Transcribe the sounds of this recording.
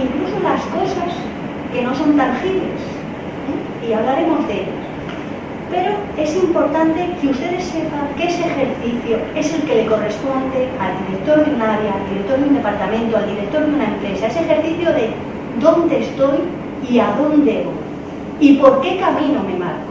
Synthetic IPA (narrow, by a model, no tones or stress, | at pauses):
iŋklusolasko̞sas | ke̞no̞so̞nt̪aŋxiβle̞̰s | iaβ̞laɾe̞mo̞zðeʎo̰ | pe̞ɾo̞e̞simpo̞ɾt̪ant̪e̞keust̪e̞ðe̞sːe̞paŋkeseexe̞ɾθiθjoe̞se̞lke̞leko̞re̞spo̞nd̪e̞ald̪iɾe̞k̚t̪o̞ɾðunaɾjaːld̪iɾe̞k̚t̪o̞ɾðjund̪e̞paɾt̪amẽnt̪oald̪iɾek̚t̪o̞ɾðjunaẽmpɾe̞sae̞sexe̞ɾθiθjoðe̞ | d̪o̞nd̪e̞ːst̪o̞j | iaðo̞nd̪e̞βo̞̰ | ipo̞ɾke̞kamĩnome̞ma̰ɾka